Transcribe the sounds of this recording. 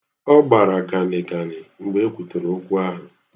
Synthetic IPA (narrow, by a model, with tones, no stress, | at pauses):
ɔ˦ɡ͡ba˨ɾa˨ɡa˨nɪ˨ɡa˨nɪ˨ŋ͡m̩˨ɡ͡be˦kʷu˨te˨ɾo˨˦o˦kʷu˦a˦ɦʊ˨